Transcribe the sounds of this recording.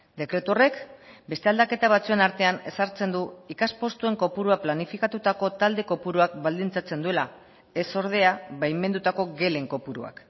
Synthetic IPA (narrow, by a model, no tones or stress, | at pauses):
d̪e̞kɾe̞t̪uore̞kbe̞st̪eald̪ake̞t̪aβ̞at͡sue̞naɾt̪e̞ane̞̰saɾt͡se̞nd̪uikaspo̞st̪ue̞ŋko̞puɾuaplanifikat̪ut̪ako̞t̪ald̪e̞ko̞puɾuakbald̪int͡sat͡se̞nd̪ue̞la | e̞so̞ɾð̞e̞aβajme̞nd̪ut̪ako̞ɡe̞le̞ŋko̞puɾua̰k